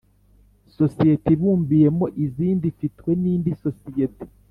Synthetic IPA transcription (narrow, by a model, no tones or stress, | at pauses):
sosijetiβuːmbije̞mo̞ʔiziːndifitkwe̞niːndisosijeti̥